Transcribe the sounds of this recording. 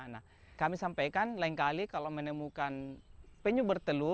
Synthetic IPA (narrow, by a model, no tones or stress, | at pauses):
na | kamisampajkanlaiŋkalikalomənəmukanpɛɲubərt̪əlu